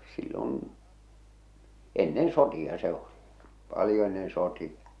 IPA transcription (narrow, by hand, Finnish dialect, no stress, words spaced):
silːon̞ enːen sotiɑ se oli pɑlĭjo enːen sotiɑ